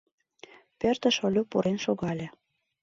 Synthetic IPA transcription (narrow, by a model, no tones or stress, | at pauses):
pø̆rt̪ə̆ʃolʲupuɾʔenʃoɣɑlʲĕ